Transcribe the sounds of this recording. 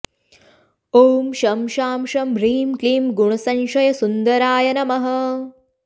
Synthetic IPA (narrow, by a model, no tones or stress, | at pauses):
oːmʃɐmʃaːmʃɐmɾiːmkliːmɡuɳɐsɐnʃɐjɐsund̪ɐɾaːjɐnɐmɐɦɐ